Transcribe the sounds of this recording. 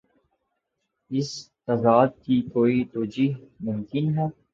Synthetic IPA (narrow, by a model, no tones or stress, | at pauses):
ɪst̪aːd̪aːd̪̚kikoːit̪oːd͡ʒiːɦmʊmkɪnɦɛː